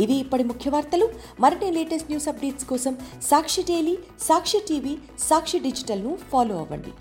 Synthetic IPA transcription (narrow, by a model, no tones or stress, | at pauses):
iʋiːpːɐɽimukʰjɐʋaːɾt̪ɐlu | mɐɾɐʈile̞ːʈɐsʈnjuːsɐp̚ɖeːʈskɔːsɐmsaːkʂiɖeːli | saːkʂiʈiːʋiː | saːkʂiɖid͡ʒiʈɐlnupʰaːloːɐ̰ʋɐ̰ɳɖḭ